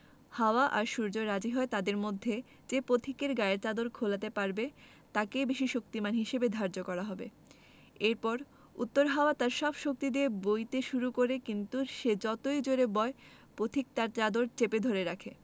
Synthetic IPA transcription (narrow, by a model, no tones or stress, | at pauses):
haoaʔaɾʃuɾd͡ʑoɾad͡ʑiɦɔet̪ad̪eɾmod̪ʱːe | d͡ʑepot̪ʰikeɾɡaeɾt͡ɕad̪oɾkʰolat̪epaɾbe | t̪akebeʃiʃokt̪imanɦiʃebed̪ʱaɾd͡ʑokɔɾaɦɔbḛ | eɾpɔɾ | ṵt̪ːoɾɦaoat̪aɾʃɔbʃok̚t̪id̪iebojt̪eʃuɾukoɾekint̪uʃed͡ʑɔt̪ojd͡ʑoɾebɔe | pot̪ʰik̚t̪aɾt͡ɕad̪oɾt͡ɕeped̪ʱoɾeɾakʰe